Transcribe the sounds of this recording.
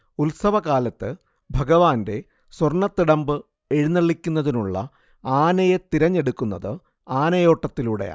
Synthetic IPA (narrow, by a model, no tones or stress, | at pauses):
ulsɐʋɐkaːlɐt̪ːɨ | bʱɐɡɐʋaːnde̞ | swɐrɳɐt̪ːiɽɐmbɨ | e̞ɻinːɐɭːikʲːunːɐðinuɭːɐ̰ | aːnɐjet̪iɾɐɲːe̞ɽukːunːɐðɨ | aːnɐjo̞ːʈːɐt̪ːiluːɽeja̰ː